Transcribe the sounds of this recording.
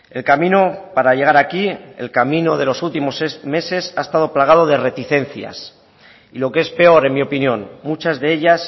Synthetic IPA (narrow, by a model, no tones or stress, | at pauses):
e̞̰lkamĩno̞paɾaʝe̞ɣ̞aɾakiḛlkamĩno̞ð̞e̞lo̞sult̪imo̞seme̞se̞saest̪að̞o̞plaɣað̞o̞ð̞e̞re̞t̪iθe̞n̟θja̰s | ilo̞keespe̞o̞ɾe̞nmio̞pinjõ̞nmut͡ʃazðe̞e̞ʎas